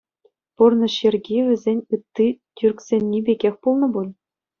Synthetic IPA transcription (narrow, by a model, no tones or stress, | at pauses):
purnɤ̆ɕerʲɡʲiʋʲɘ̆zʲenʲɯt̪ːitʲyrkʲsʲenʲːibʲeɡʲexʲpulˠnɤ̆bulʲ